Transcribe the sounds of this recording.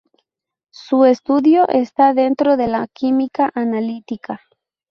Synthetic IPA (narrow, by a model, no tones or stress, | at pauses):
sue̞st̪uðjo̞ʔest̪aðe̞nt̪ɾo̞ðe̞lakimikaʔanalit̪ika